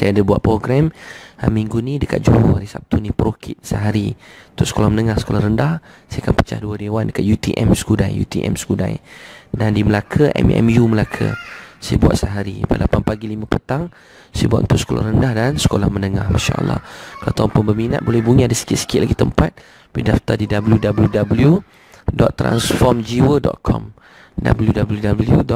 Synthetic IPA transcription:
sajadabua̰ʔ̪̚pɾoɡɾɛmamiŋɡunidəka̰t̪̚d͡ʒuohaɾisap̚t̪unipəɾokʰɪt̪̚səɦaɾiunt̪ʊʔsə̥kolahmənəŋahsə̥kolaɾəndahsajakanpə̥t͡ʃa̰hduədewandəkat̪̚jut̪iʔɛ̰msə̥kudajjṵt̪ḭʔɛ̰msə̥kuda̰jdandiməlakʰəʔɛ̰mɛ̰mjuməlakʰə̰sajəbua̰ʔ̪̚səɦaɾipadlapanpaɡilimãpət̪aŋ | sajəbuaʔ̪unt̪ʊʔsə̥kola̰rəndahdansə̥kolahmənəŋa̰hma̰ʃa̰ʔə̰lːɑ̰hkala̰t̪aanpʊnbəmina̰t̪̚bolɛhbuɲiadasə̥kɪt̪̚sə̥kɪt̪̚laɡit̪əmpat̪̚ | pidaft̪adidabəljudabəljudabəlju | dɔt̪ːɾa̰nsfɔmd͡ʒiwədɔ̰t̪̚kʰɔ̰m | da̰bəljudabəljudabəljudɔ

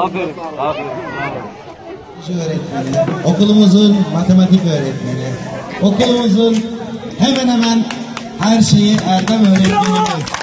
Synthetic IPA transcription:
iʃøːɾɛt̪lʲiɾio̞kulˠumuzunmat̪ʰe̞mat̪ikøːɾɛt̪liɾio̞kulˠumuzunhemænhemæn | hæɾʃe̞jiʔæɾd̪amø̞ːɾɛt̪lilimi

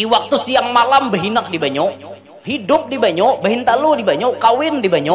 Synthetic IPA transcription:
diwak̚t̪usijaŋmalambəɦinak̚dibaɲɔ | hidʊp̚dibaɲɔbəɦɪnt̪aludibaɲɔkawɪndibaɲɔ

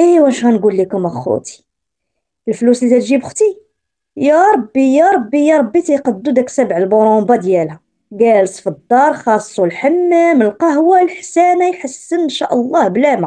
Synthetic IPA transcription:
ʔiwæʃɣænɡulːikʊməxṵt̪i̥ | əlfluslizæt̪ʒibxt̪i | jɑɾˤɑbːijɑɾˤɑbːijɑɾˤɑbːit̪iqɑd̪ːud̪æksæbʕəlboɾombɑd̪jælhæ | ɡælsfid̪ːɑɾˤxɑsˤːulħamːæməlqɑɦwalħsænæjħəsːənnʃæʔəlˤːɑhblæma

